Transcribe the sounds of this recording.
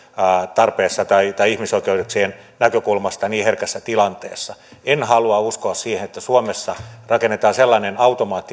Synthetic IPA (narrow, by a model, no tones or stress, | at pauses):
t̪ɑrpeːsːɑt̪ɑit̪ɑijihmisoikeudeksien | nækøkulmɑst̪ɑniːherkæsːæt̪ilɑnt̪ḛːsːɑenhɑluɑuskoɑssiːhenet̪ːæsuomesːɑrɑkenːet̪ɑːselːɑnenɑut̪omɑːt̪ːi